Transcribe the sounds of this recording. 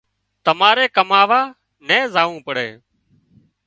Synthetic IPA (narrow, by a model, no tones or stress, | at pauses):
t̪əmaːɾeːkəmaːʋaː | nɛ̃ːzaːʋũːpəɽ̤ḛː